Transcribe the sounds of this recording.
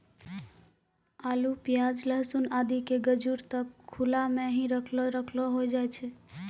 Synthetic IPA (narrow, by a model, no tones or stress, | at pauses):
aːlupjad͡ʒləɦsunaːd̪ikeɡəd͡ʒuɾt̪əkʰːulamẽɦĩɾəkʰloɾəkʰloɦojd͡ʒaɛt͡ʃʰe